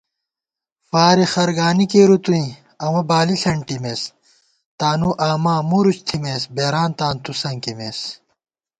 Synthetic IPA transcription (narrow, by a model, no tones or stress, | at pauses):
faːɾixɐɾɡaːnikeɾut̪uĩ | ɐwɐbaːliɬɐɳʈimeːs | t̪aːnuʔaːmaːmuɾut͡ɕt̪ʰimesbeːɾaːnt̪aːnt̪usɐŋkimeːs